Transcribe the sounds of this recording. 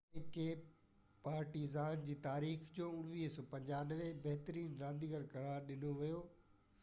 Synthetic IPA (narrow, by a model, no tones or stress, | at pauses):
ekeː | paːɾʈiːzaːnd͡ʑiːt̪aːɾiːxd͡ʑoːʊɽ̤̃ʋiːɦsɔːpɐ̃ɲd͡ʑaːnəʋebɐɦt̪əɾiːnɾãːnd̪iɡəɾkɐɾaːɾɗɪnoʋijoː